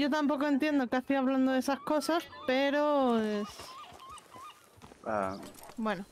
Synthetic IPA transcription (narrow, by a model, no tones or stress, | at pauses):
ʝo̞t̪ampo̞koe̞nt̪je̞nd̪o̞kaθiaβland̪oðesasko̞saspe̞ɾo̞es | a̰bwe̞no